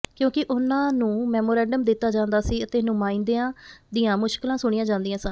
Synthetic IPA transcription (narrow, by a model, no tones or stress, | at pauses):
kjõːkɪʔʊnãːnũːmɛːmoːɾɛ̃ːɳɖəmd̪ɪt̪ːaːd͡ʒãːnd̪aːsiːət̪eːnʊ̃ːmãːĩnd̪eːãːd̪ɪjãːmʊʃkɪlãːsʊɽ̃ɪjãːd͡ʒãːnd̪ijãːsã